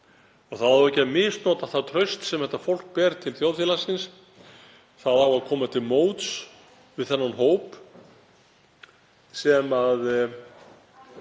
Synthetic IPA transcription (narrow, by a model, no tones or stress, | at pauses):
ɔɣθaðaɛcːamɪst̪nɔːt̪ḁθaðt̪ʰɾœɥst̪sɛmhɛt̪ːafowl̥k̚pɛːɾt̪ʰɪlθjowθjilasɪns | θaðawaðkʰɔːmat̪ʰɪlmoːwt̪s | vɪðθɛnːanɦoːwp | sɛmað